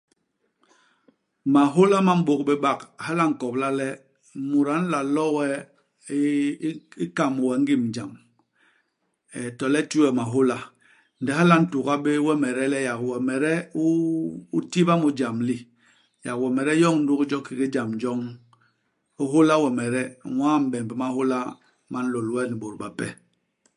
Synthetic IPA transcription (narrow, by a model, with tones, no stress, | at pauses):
ma˨ɦo˦la˦ma˦m̩˦bo˨k̚be˦ɓa˦˨kha˦la˦ŋ̩˨kɔ˨bla˦lɛ˦ | mu˨ɾa˨˦n̩˦la˨lɔ˦wɛ˦ | i˦ka˨m˨wɛ˨˦ŋ̩˦ɡi˦m˨d͡ʒa˨m | ɛ˨tɔ˨lɛ˦t͡ʃu˦wɛ˨ma˨ɦo˦la˦ | n̩˨dɛ˨ɦa˦la˦n̩˦tu˨ka˦be˦wɛ˦mɛ˨ɾɛ˦lɛ˦ja˨kwɛ˨mɛ˨ɾɛ˦u˦u˦ti˦ba˦mu˨d͡ʒa˨mli˦ | ja˨kwɛ˨mɛ˨ɾɛ˦jɔ˦ŋn̩˦du˦kd͡ʒɔ˦ki˨ki˦d͡ʒa˨md͡ʒɔ˦ŋ | u˦ɦo˦la˦wɛ˨mɛ˨ɾɛ˦˨waː˦m̩˨ɓɛ˨m˨bɛ˨ma˦ho˦la˦ | ma˨n̩˦lo˨lwɛ˦ni˨ɓo˨ɾba˨pɛ̰˦